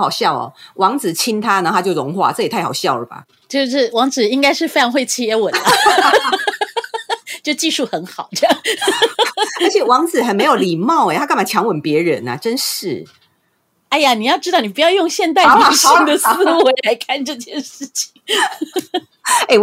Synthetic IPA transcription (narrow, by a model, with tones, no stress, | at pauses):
ɑ˨˩ʊɕjɑ˥˩ʊɔ̰˨˩wʔɑ˧˥ŋt͡sɹ̩˨˩t͡ɕʰi˥nt̪ʰa˥na˧˩t̪ʰa˥t͡ɕjo˥˩ʊʊ˧˦ŋxwa̰˥˧t͡sɤ˥˩i˨˩t̪ʰa˥˩ɑ˨˩ʊɕjɑ˥˩ʊlə˩ba̰˨˩ | t͡ɕjo˥˧ʊʂɻ̩˥˩wɑ˧˥ŋd͡zɹ̩˨˩i˥ŋka˥ɪʂɻ̩˥˩fe˥ɪʈ͡ʂʰɑ˧˥ŋxwe˥˩ɪt͡ɕʰi˥˩ɛ˧˥wə˨˩nnə˦ | t͡ɕo˥˧ʊʂt͡ɕi˥˧ʂu˥˩xə˧˥nxɑ˨˩ʊʈ͡ʂjɑ˥˩ŋ | ə˧˥t͡ɕʰjɛ˨˩wɑ˧˥ŋt͡sɹ̩˨˩xə˨˩nme˧˥jo˨˩ʊli˨˩mɑ˥˩ʊe˨˩t̪ʰa˥kmba˨˩t͡ɕʰjɑ˧˥ŋwə˨˦npjɛ˧˥ɻə˧˦nɐ̰˨˩ʈ͡ʂə˦˥nʂɻ̩˥˩ | a˥˩ɪa˨ni˨˩jɑ˥˩ʈ͡ʂɻ̩˥t̪ɑ˥˩ʊn˨˩pu˧˦jɑ˥˧ʊjʊ˥˧ŋɕjɛ˥˧nt̪̬a˥˩˨ɕi˥˩ŋd̪ə˨s̩˥˧˥we˧˥la˧˥ɪkʰa˥˧nʈ͡ʂɤ˥˧t͡ɕjɛ˥˧nʂɻ̩˥˩t͡ɕʰi̥˨˩ŋ | e˥˩